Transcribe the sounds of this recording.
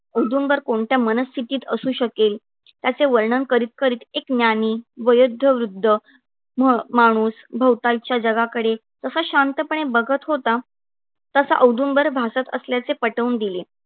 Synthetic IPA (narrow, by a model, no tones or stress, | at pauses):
əwd̪ʱumbəɾkoɳʈ̪jamənəst̪ʰit̪iːt̪əsuːɕəkel | t̪jat͡seʋəɾɳənkəɾiːt̪̚kəɾiːt̪eknjaniːʋəjud̪ʱːəʋɾud̪ʱːə | mmaɽ̃uːsbʱəwt̪alt͡ɕjad͡ʑəɡakəɽe | d͡zəsaɕant̪əpəɳ̃ebəɡʱət̪ɦot̪a | t̪əsa̰ʔəwd̪umbəɾbʱasat̪ə̰sljat͡sepəʈəuːnd̪ile